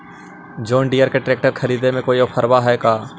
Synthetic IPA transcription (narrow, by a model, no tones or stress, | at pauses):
d͡ʒoːɳɖijəɾkeʈɾeːk̚ʈəɾkʰəɾiːd̪emẽkoːioːpʰəɾbaɦɛːkaː